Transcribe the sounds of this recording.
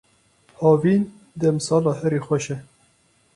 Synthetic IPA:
hɑːviːn | d̪ɛmsɑːlɑːɦɛɾiːxʷɛʃɛ

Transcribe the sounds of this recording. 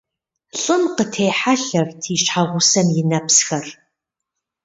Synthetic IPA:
ɬʼɨmqətʰejħaɬɐrtʰiːʃħaʁʷʊsɐmjɪnɐpsxɐr

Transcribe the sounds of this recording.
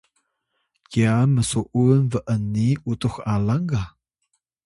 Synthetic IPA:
kiaməsuʔunvəʔənːiutuxalaŋɡa

